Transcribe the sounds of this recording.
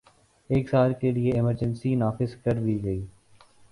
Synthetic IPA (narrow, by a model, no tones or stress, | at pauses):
eːksaːɾkelieɪməɾd͡ʒə̃nsinaːfɪzkɐɾd̪iːɡɐiː